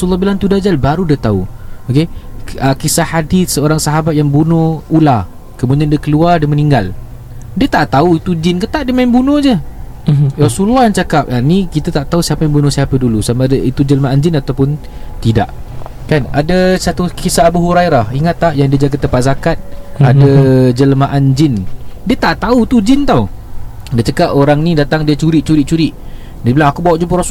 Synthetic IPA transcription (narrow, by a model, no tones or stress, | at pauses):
asulːɔhbilant̪udad͡ʒalbaɾudiət̪aṵokeəkisahadiθsəoɾaŋsaɦabat̪̚jaŋbunɔula | kəmudiandəkəluardəməniŋɡal | diət̪aʔt̪auit̪ud͡ʒɪnkət̪aʔdəmaimbunɔ̃d͡ʒə | rasululːɔhjaŋt͡ʃakap̚anĩkit̪at̪aʔt̪ausiapajambunʊ̃siapadulusamadit̪ud͡ʒəlmaʔaɲd͡ʒɪnat̪awpʊn | t̪ida̰ʔ | kanadasat̪ukisabuɦuɾajɾahiŋat̪ːaʔjaŋdiəd͡ʒaɡət̪əmpat̪̚zakat̪̚adad͡ʒələmaʔand͡ʒɪndiət̪aʔt̪aut̪ud͡ʒɪnt̪aw | diət͡ʃakapoɾaŋnĩdat̪aŋdiət͡ʃuɾɪʔ̚t͡ʃuɾɪʔ̚t͡ʃuɾɪʔ | dsbilaŋakubawaʔd͡ʒup̬əɾasu